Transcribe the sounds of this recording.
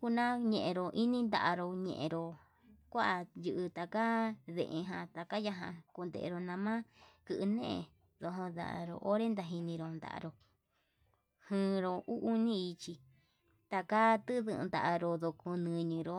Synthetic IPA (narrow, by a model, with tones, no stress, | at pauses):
ku˧nã˦ɲẽ˧ʔẽ˧ɾo˧˨ʔi˦nĩ˦nd̪a̰˧ʔa˧ɾo˧ɲḛ̃˧ʔḛ̃˧ɾo˧ | kʷa˦ʔa˧jɨ˧ʔɨ˧t̪a˧ka˦ðḛ̃˧ʔẽ˧ɦã˧t̪a˨ka˦ja˧ɦã̰˧ku˧nd̪ḛ˧ʔḛ˧ɾo˧nã˧mã˦kɨ˧ʔɨ˧nḛ̃˦ʔḛ̃˧ | ðo˧ɦõ˧d̪a̰˨ʔɾo̰˧ʔo˦ɾe˦nd̪a˧ɦi˧nĩ˧ɾo˧nd̪a̰˨ʔa̰˧ɾo˧ | hɨ̃ː˧ɾo˧u˦ʔu˧nĩ˦i˧t͡ʃi˧ | t̪a˧ka˦t̪ɨ˦ðɨ̰˧nd̪a̰˧ʔa˧ɾo˧ðo˧ku˧nɨ̃˧ɲĩ˧ɾo˧